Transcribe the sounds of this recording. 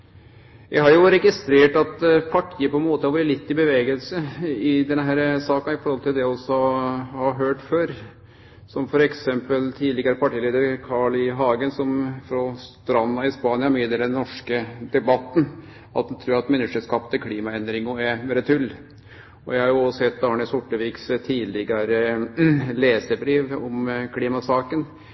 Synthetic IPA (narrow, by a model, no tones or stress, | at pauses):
jæɪhɑɾjʊɾɛɡɪst̪ɾeːʈɑt̪pʰɑʈʰiːəpʰɔɛnmoːt̪əhɑʋlɪt̪ːɪbəʋeːɡəlsəɪd̪ɛnɦæːɾsɑːkɑɪfɔɾhɔlt̪ʰɪld̪ɛjæɔsːɔhɑɾɦøːʈføːɾ | sɔmfɔɾɛksɛmpəlt̪ʰiːdlɪɡəɾəpʰɑʈʰiːliːd̪əɾkʰɑɭɪɦɑːɡənsɔmfɾɔst̪ɾɑnːɑɪspɑːnɪɑmɪːəd̪eːld̪ɛnɔʂkəd̪ɛbɑt̪ːn | ɑt̪̚d̪ɛnt̪ʰɾʉːɾɑt̪mɛnːəʂəskɑpt̪ʰəkʰliːmɑɛnd̪ɾɪŋʊɛmɛːɾət̪ʰʉlː | ɔjæɪhɑɾjʊɔsɛt̪ːɑːɳəsʊʈːəʋiːkst̪ʰiːlɪɡəɾə | leːsəbɾiːʋɔmkʰliːmɑsɑːkən